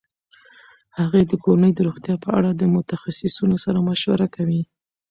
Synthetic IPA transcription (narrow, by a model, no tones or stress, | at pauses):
haɣed̪əkoɾanəjd̪əɾoɣt̪jɑpəa̰ɽad̪əmʊt̪axasɪsunosaɾamaʃwa̰ɾakawi